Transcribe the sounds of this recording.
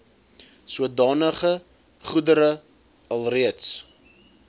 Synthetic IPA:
suədɑːnəχə | χudəɾə | ɐlˠriəts

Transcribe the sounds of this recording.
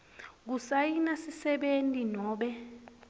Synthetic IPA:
k̬usajinasisɛɓentʼinɔːɓɛ

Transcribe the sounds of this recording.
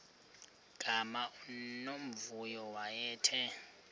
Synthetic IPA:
ɡ̥ʱamanom̩vujɔwajɛːtʰɛ

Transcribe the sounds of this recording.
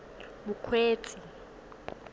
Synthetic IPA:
ɓukʰweːt͡sʰʼi

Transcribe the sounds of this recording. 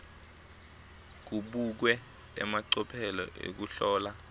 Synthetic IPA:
k̬uɓuk̬wɛ | ɛ̰maǀɔpʰɛlɔ̰ʔḛk̬uɬɔːla

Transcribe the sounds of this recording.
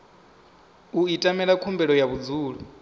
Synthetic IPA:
uitʼamɛɺakʰumbɛɺɔjaβud͡zuːɺu

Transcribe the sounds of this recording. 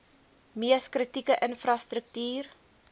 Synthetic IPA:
miəskrətikəʔənfrɑstɾək̚tyːr

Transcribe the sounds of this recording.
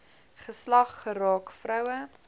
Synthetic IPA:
χəslɐχːəɾɑːkfrœwə

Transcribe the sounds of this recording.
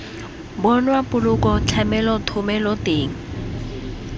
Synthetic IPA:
bɔnwapʼʊlʊkɔt͡ɬʰɛmɛlɔtʰʊmɛlɔteːŋ̩

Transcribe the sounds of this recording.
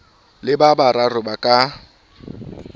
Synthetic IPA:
lɪbabaɾarʊbakʼa

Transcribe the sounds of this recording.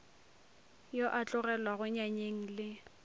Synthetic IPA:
joʔat͡ɬʼʊrɛlwaɣʊɲaɲeŋ̩lɪ

